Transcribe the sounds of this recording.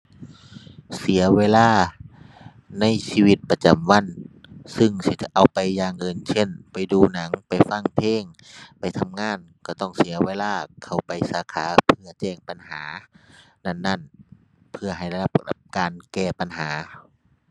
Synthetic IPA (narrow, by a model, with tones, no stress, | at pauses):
si˨˦ɐweː˧˨laː˧˥˩ | na˧˥˨jsiː˧wi˧t̪̚pa˧t͡ɕa˨mwa˧˥˨nsɯ˧˨ŋsi˧ʔa˨wpa˨jːaː˧ŋʔɤː˧nsʰe˧˥˨npa˨jduː˧na˨˦ŋpa˨jfa˧˩˨ŋp̪ʰeː˧˥˨ŋ | pa˨jt̪ʰa˧mŋaː˧˥˨n | ka˧˩t̪ɔ˧˩ŋsi˨˦ɐweː˧˨laː˧˥˩kʰa˧˩wpa˨jsaː˨˧˦kʰaː˨˧˦pʰɯ˧ɐt͡ɕɛː˧˩ŋpa˨nhaː˨˦ | na˧˥˩nːa˧˥˨n | pʰɯ˧ɐha˨˩ja˧˩˧la˧p̚p̚kaː˨nkɛː˧˩pa˨nhaː˨˦